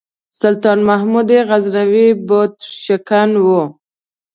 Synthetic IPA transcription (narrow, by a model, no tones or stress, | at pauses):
sʊlt̪ɑnmahmud̪eɣaznawibot̪ʃakanwo